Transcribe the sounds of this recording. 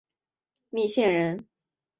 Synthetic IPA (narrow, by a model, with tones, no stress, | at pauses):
mi˥˧ɕjɛ˥˩nɻə˧˥n